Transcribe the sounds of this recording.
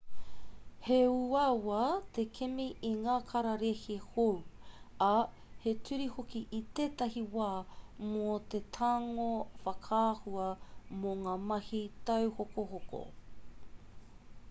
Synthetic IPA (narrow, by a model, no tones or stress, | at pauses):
heuawaːt̪ekʰemiʔiŋaːkʰɐɾɐɾehihowa | hetʰʉɾihokiʔit̪eːt̪ɐɦiwaːmot̪et̪ʰaŋofɐkʰaːhuɐmoŋaːmɐhit̪ɐwhokoɦoko̰